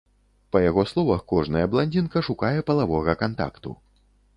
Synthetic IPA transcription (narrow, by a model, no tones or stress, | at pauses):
pɐjaɣɔslˠɔvɐxkɔʐnɐjɐblˠanʲd͡zʲinkɐʂukajɛpɐlˠavɔɣɐkant̪a̰kt̪ṵ